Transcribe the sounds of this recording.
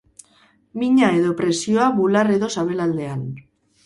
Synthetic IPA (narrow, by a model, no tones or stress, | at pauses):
miɲaeðopɾe̞sioaβulareðosaβ̞e̞lald̪e̞an